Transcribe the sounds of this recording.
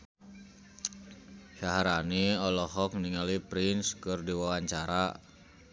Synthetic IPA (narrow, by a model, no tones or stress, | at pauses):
ʃaɦaɾaniɔlɔɦɔk̚niŋalipɾɪnskərdiwawaɲt͡ʃaɾa̰